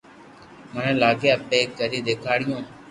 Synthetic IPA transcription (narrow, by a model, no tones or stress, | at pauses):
mənẽːlaːɡjaːpeːkːəɾiːd̪eːkʰaːɽɪjõː